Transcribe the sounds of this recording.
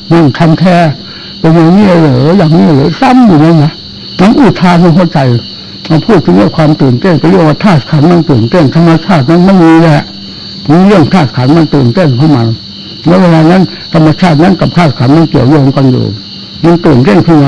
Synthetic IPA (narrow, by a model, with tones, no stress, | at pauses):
ma˧˩˨nt̪ʰa˧mt̪ʰɛː˧˩ | pa˧nɲaː˨˧˩ŋni˧˩ə˨lɤː˨˦˨jaː˨˩ŋni˧˥˩lɤː˨˦sa˧˥˨mjuː˨˩na˧˥˨na˧˥ | ma˧˥˨nʔuː˧˩t̪ʰaː˧na˧˩˨ɦo˧˥˨t͡ɕa˧˦j | ma˧˩pʰuː˥˩t̪̚ʰːɯ˧˦ni˧˥˨kʰwaː˧mt̪ɤː˨˩nt̪e˥˩˨npa˨˧˦ɾɯ˧˩˨ŋwaː˧t̪ʰaː˧˩t̪̚kʰaː˨˦nma˧˥˨nt̪ɤː˨˩nt̪e˥˩˨nt̪ʰa˧mːa˧t͡ɕʰaː˥˩t̪̚na˧˥˨nma˧˥˨nmiː˧lɛ˧ɛ˧ʔ | miː˧ɾɯ˥˩əŋt̪ʰaː˧˩t̪̚kʰaː˨˩˦nma˧˨nt̪ɤː˨˩nt̪e˥˩˨nkʰa˧˥˩wma˧n | nɛ˧˥˨weː˧laː˧na˦˥˨n | t̪ʰa˧mːa˧t͡ɕʰaː˥˩t̪̚na˧˥˨nka˨pt̪ʰaː˧˩t̪̚kʰaː˨˦nma˧˨nki˨˩əwjɔː˧ŋka˧ndo̰ː˨˩n | ma˧˨nt̪ɤː˨˩nt̪e˥˨nkʰɯ˧˩na˧